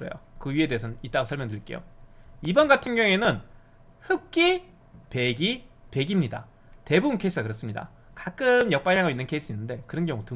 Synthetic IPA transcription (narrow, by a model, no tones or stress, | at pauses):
ɾʌ̰jo̰kɯɥie̞deːsʰʌit͈aɡosʰʌɭmjʌndɯɾik͈e̞jo̰ibʌnɡatʰɯnɡjʌŋe̞nɯn | hɯp̚k͈i | pe̞ɡipe̞ɡimɲida̰ | te̞bubɯnkʰeisʰɯ̥ɡakɯɾʌs͈ɯmɲida̰ | kak͈ɯmjʌk̚p͈aɾiɦaɡʌinːɯnkʰe̞is͈ʰɯinːɯnde̞kɯɾʌnɡjʌŋutɯ